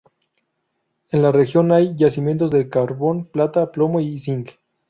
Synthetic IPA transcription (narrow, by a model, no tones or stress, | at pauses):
enlare̞xjo̞najʝasimjẽ̞nt̪̬o̞zðelkaɾβo̞nplat̪aplo̞moisiŋk